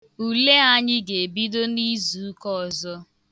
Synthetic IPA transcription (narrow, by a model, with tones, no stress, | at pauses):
u˨le˦a˦ɲɪ˦ɡe˨bi˦do˦ni˦zu˨˦kɔ˦ɔ˨zɔ˦